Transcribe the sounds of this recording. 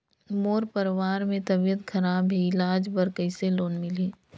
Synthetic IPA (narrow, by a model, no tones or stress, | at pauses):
moːɾpəɾʋaːɾmẽt̪ɐbijət̪kʰɐɾaːbʱiɪlaːd͡ʒbəɾkəiseloːnmɪleː